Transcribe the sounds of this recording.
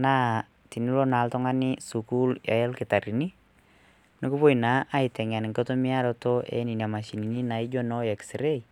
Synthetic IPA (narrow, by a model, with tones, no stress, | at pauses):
na˦ | ti˨ni˦lo˦na˨ltʊ˦ŋa˦ni˦su˨ku˦lja̰˨ɛ˦lkɪ˨ta˨ɾi˨ni˦ | nɪ˦ku˦po˦ina˨˦ʔa˦ɪtɛ˨ŋa˨n˨ŋko˦to˦mi˦a˦lɔ˦to˦ʔɛ̰˨ni˨na˨ma˨ʃi˨ni˨ni˦na˨id͡ʒɔ˦nɔ˦ɛ˨ksɪɾe˦